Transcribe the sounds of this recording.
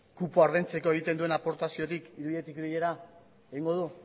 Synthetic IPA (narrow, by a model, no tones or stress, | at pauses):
kupoaɾðent͡se̞ko̞e̞ɣ̞it̪e̞nd̪ue̞napo̞ɾt̪asio̞t̪ikiɾuβiʎe̞t̪ikiɾije̞ɾa | eɣiŋɡo̞ð̞u